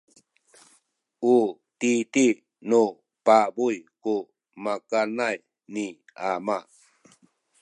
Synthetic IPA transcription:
u | titi | nu | pabujku | makanaj | ni | ama

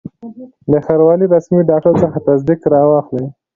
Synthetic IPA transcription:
ləxaɾwɑliɾasmiɖɑk̚ʈaɾsəxat̪azd̪ikɾɑwɑxləj

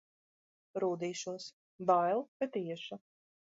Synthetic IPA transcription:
ɾuːd̪iːʃuɔs | bajlˠkat̪iɛʃu

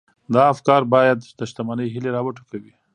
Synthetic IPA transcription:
d̪ɑːfkɑɾbɑjad̪d̪əʃt̪amɑnəjɦileɾɑwəʈo̥kawi

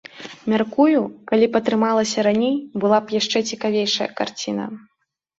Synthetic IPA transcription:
mʲarkujukalʲipɐt̪ɾɨmalˠɐsʲɐɾanʲejbɨlˠapjaʂt͡ʂɛt͡sʲikavʲejʂɐjɐ̰kart͡sʲinɐ̰

